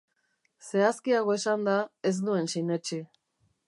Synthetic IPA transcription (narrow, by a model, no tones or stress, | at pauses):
se̞askiaɣ̞o̞esand̪ae̞z̬nue̞nsijnet͡ʃi